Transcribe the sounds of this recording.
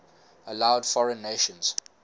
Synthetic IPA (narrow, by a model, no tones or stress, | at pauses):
əlaʊdfɔɹə̃nːeʃə̃nz̥